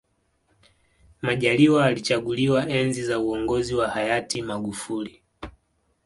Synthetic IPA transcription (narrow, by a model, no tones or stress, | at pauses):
maʄaliwaalit͡ʃaɡuliwaʔɛnzizauɔŋɡɔziwahajatimaɡufuli